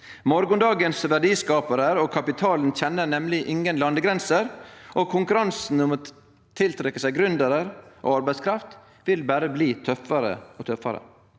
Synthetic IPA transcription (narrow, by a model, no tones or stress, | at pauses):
mɔɾɡʊnd̪ɑːɡənsʋæɖiːskɑːpəɾəɾoːkʰɑpɪt̪ʰɑːln̩çɛnːənɛmlɪʔɪŋənlɑnd̪əɡɾɛnsəɾʔoːkʰʊŋkʉɾɑnsn̩ʊmoː | t̪ʰːɪlt̪ʰɾɛkːəsæɪɡɾʉnd̪əɾəɾʔo̰ːɑɾbæɪskʰɾɑft̪ | ʋɪlbæːɾəbliːt̪ʰœfɑɾə̰oːt̪ʰœfːɑɾə̰